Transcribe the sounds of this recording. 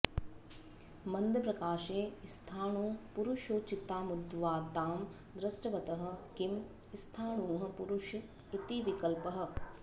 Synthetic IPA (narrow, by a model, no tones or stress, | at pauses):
mɐnd̪ʱjɐpɾɐkaːʃeːst̪ʰaːɳuːpuɾuʃoːt͡ʃit̪ːaːmud̪ʋaːt̪aːm | d̪ɾɐsʈɐʋɐt̪ɐɦɐ̆kim | st̪ʰaːɳũːɦɐ̆puɾuʃɐ | it̪iʋikɐlpɐɦɐ̆